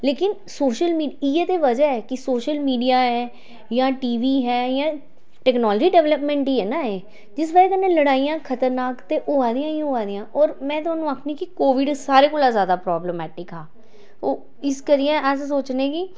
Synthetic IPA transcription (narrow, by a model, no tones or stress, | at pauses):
leːkɪn | soːʃəlmiːɖiːeːt̪eːʋəd͡ʒaːɛːkɪsoːʃəlmiːɖijaːɦɛː | jãːʈiːʋiːɦɛːjãː | ʈɛːknɔːld͡ʒiːɖɛːʋləpmɛ̃ːɳʈiːɛːnaːeː | d͡ʒɪs̬baːɾeːkəneːləɽaːijãːkʰət̪əɾnaːkt̪eːʔoːaːd̪ijãːĩɦoaːd̪ɪjãːʔɔːɾmɛ̃ːt̪ʊaːnːũːaːkʰniːkɪkoːʋɪɖsaːɾeːkoːlaːzjaːd̪aːpɾɔːbləmɛːʈɪkɦaː | oː | ɪskəɾiɛ̃ːʔəssoːt͡ʃnẽːkɪ